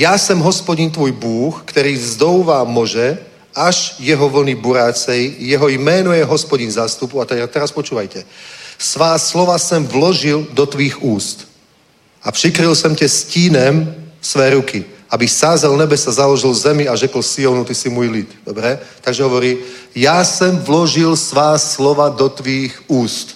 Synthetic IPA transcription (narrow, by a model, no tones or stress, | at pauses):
jasɛmɦɔspɔɟint̪ʋɔːjbuːxkt̪ɔɾiːzd̪ɔʊʋaːmɔʒɛ | aʒjɛɦɔʋl̩nibuɾaːt͡sɛjːɛɦɔjmɛnɔjɛɦɔspɔɟinzaːst̪upuat̪ɛt̪ɛɾaspɔt͡ʃuːʋajcɛsʋaːslɔʋasɛmvlɔʒild̪ɔt̪ʋiːɣuːst̪ | ʔapʃikɾilsɔmcɛsciːnɛmsʋɛːɾukiabisaːzalnɛbɛsazalɔʒilzɛmiaʒɛkɔlsiɔnut̪isimuɔjlit̪d̪ɔbɾɛt̪aɡʒɛɦɔʋɔɾiːjasɛmvlɔʒilsʋaːslɔʋad̪ɔt̪ʋiːxuːst̪